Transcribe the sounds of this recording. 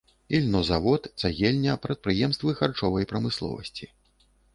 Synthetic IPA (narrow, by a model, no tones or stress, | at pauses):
ilʲnɔzavɔt̪t̪saɣʲɛlʲnʲɐpɾɐt̪̚pɾɨjɛmst̪vɨxart͡ʂɔvɐjpɾɐmɨslˠɔ̰vɐ̰sʲt͡sʲi